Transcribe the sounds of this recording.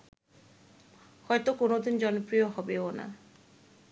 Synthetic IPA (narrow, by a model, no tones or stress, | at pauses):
hɔjt̪okonod̪ind͡ʑɔnopɾijoɦɔbeona̰